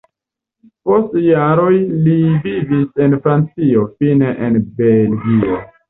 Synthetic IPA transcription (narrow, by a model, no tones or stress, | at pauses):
po̞stjaɾo̞jlivivise̞nfɾant͡sio̞fineʔenbe̞lɡio̞